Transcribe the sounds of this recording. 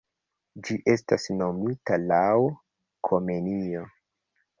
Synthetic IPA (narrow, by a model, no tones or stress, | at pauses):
d͡ʒiʔe̞stasno̞mitalaw | kʰo̞me̞nio̞